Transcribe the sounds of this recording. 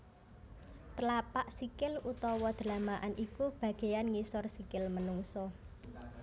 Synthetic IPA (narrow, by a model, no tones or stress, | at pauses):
t̪əlapaʔsikɪlut̪ɔwɔd̪̥ə̤lamaʔanʔikub̥ä̤ɡ̥e̤janŋisɔrsikɪlmənuŋsɔ